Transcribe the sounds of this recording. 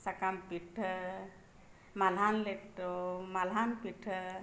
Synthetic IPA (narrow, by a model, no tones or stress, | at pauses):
sakampiʈʰə | malɦanleʈomalɦanpiʈʰə